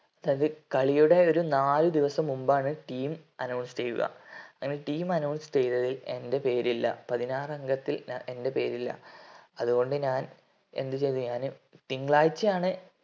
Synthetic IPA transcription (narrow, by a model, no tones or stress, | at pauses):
ɐðaːjɐðɨkɐɭijuɽe̞o̞ɾunaːlud̪iʋɐsɐmːumbaːɳɨʈiːmɐnɐwɳsd͡ʑejjṵɣɐ̰ɐŋːɐne̞ʈiːmɐnɐwɳsɨ̥t͡ɕejt̪ɐðile̞nde̞pe̞ːɾilːɐ̰pɐðinaːrɐŋɡɐt̪ːilnɐʔe̞nde̞pe̞ːɾilːɐ̰ɐðuɣo̞ɳɖɨɲaːn | e̞̰nd̪ɨt͡ɕe̞jt̪ːuɲaːnɨt̪iŋɡɭaːjt͡ɕːɨaːɳɨ